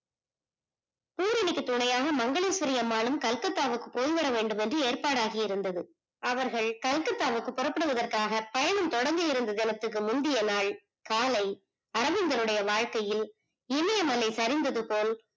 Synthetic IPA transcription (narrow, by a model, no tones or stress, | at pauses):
puːɾɪnɪkːɯt̪ːʊɳɐjaːɣɐmɐŋɡɐɭeːsɐɾɪjɐmaːnɯmkɐlkɐt̪ːaːʋɯkːɯpoːjʋɐɾɐʋeːɳɖɯmɛndrɯeːɾpaːɽaːɣijɪɾɯnd̪ɐðɯ | ʔɐʋɐɾɣɐɭkɐlkɐt̪ːaːʋɯkːɯpːɔrɐpːɯɽɯʋɐðɐrkaːɣɐpɐjɐɳɯmt̪ɔɽɐŋɡ̪ɯjɪɾɯnd̪ɐðɛnɐt̪ːɯk̬ːɯmʊnd̪ɪjɐnaːɭ | kaːlɐɪ | ɐɾɐʋɪŋɡ̪ɐlɯɽɐjɐʋaːɻkɐjɪl | ɪmɐjɐmɐlːɐɪsɐɾɪnd̪ɐðɯpoːl